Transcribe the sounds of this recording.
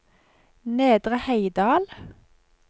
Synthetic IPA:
neːd̪ʁəhæɪd̪ɑːl

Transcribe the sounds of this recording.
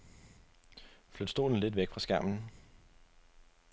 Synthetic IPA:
flød̥sd̥o̝̰ːln̩le̝d̥ʋeɡ̥fʁɑ̈sɡ̥æɐ̰mn̩

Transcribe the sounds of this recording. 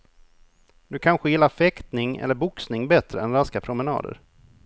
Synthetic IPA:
d̪̥ɵkʰanɧəjɪlːafɛkt̪nɪŋɛ̰lːəɾbʊksnɪŋbɛt̪ɾəɛnɾaskapʰɾʊmɛnɑ̰ːd̪ə̰ɾ

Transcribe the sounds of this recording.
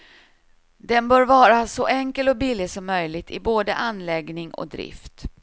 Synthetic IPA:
d̪ɛnbœːɾvɑːɾasɔʔɛŋkəlɔbɪlːɪɡsɔmːœjlɪɡ̚t̪ʰɪboːd̪əʔanlɛɡnɪŋɔ̰k̚d̪ɾɪ̰ft̪

